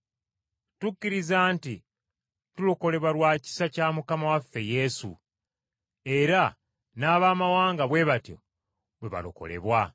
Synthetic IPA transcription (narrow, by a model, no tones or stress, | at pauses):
tukːiɾizaːnti | tuloko̞le̞βwalwaːci̥sacaːmukamawafːe̞je̞sṵ | e̞ɾa | naːβaːmawaːŋɡaβwe̞βatjo̞̰ | bwe̞βa̰lo̰ko̞̰le̞̰βwa